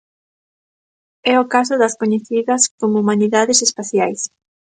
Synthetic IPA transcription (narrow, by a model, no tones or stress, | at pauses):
ɛokas̬ʊðɐskoɲeθiðɐskomoumaniðaðesespaθjajs